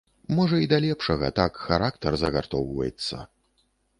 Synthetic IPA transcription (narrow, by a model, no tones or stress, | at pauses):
mɔʐɐid̪alʲɛpʂɐɣɐ̰t̪akxaɾakt̪ɐrzɐɣart̪ɔwvɐ̰jɛt̪sːɐ̰